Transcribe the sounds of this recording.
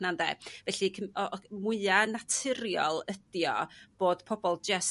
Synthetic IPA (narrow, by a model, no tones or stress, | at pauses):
nandɛ̰vɛɬikʰəmɔmʊɨanatʰɪɾjɔ̰lˠəd̥jɔ̰b̥oːd̥pʰɔbɔlˠd͡ʒɛs